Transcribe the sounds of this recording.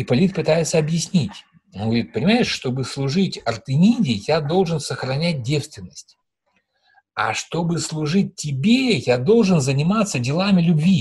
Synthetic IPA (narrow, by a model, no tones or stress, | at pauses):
ipɐlʲit̪̚pɨt̪ajɪt̪səɐbjɪsʲnʲitʲ | onɡəvɐɾʲit̪̚pənʲɪmaɪʂʂt̪o̞bɨslˠʊʐɨtʲɐrt̪ʲɨnʲidʲɪjad̪o̞lˠʐɨnsəxɾɐnʲæt̚ʲdʲefst̪vʲɪnːəsʲtʲ | a̰ʂt̪o̞bɨslˠʊʐɨt̚ʲtːʲɪbʲejad̪o̞lˠʐɨnzənʲɪmat̪sədʲɪlˠamʲɪlʲʊbvʲi